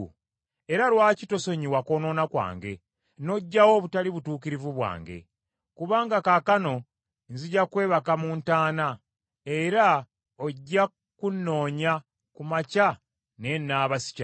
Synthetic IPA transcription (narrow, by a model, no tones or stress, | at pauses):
e̞ɾalwaːcito̞so̞ɲiwako̞no̞nakwa̰ːŋɡe̞̰ | no̞ɟːawo̞ːβutaliβutuːkiɾivuβwa̰ːŋɡe̞̰ | kuβaːŋɡakakano̞ | nziɟakwe̞ːβakamuːntaːna | eɾa | oɟːa | kunːo̞ːɲa | kumaca | ne̞nːaːβasi̥ca